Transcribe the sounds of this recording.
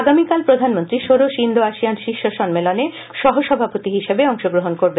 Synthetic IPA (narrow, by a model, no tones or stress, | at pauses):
aɡamikalpɾod̪ʱanmont̪ɾiʃoɾoʃind̪ʱoaʃianʃiʃoʃɔnmelone | ʃɔɦoʃɔbʱapot̪iɦiʃebeɔŋʃoɡɾoɦonkoɾbe